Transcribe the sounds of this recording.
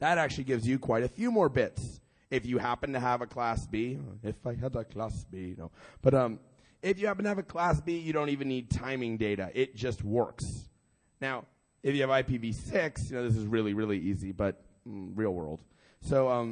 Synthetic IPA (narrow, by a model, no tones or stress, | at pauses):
ðəɾæk̚t͡ʃʉl̩ˠiɡɪvzjɨkʰw̥aɪɾɨfjʉmɔɹbɪts | ɨfjɨhæpɨ̃n̩tɨəvɨkʰl̥æsb̥iɪfaɪɨvəkʰl̥æsb̥ino̰ʊb̥ʌɾʌ̃m | ɪfjɨhæpn̩tɨɨvɨkʰl̥æsb̥ijɨɾõʊ̃ntivɨ̃nid̚tʰãɪ̃mɪ̃ŋdeɪɾɨ̰ʔɪt̚d̥ʒ̥ʌst̚wɜ̰˞ks | naʊ | ɨfjɨːvaɪpivisɪksjɨñoʊðɪs̬ɨzɹɪlˠiɹɪlˠiizibʌt̩̚ɹil̩ˠwɜ̰˞lˠd̥ | soʊʌ̃m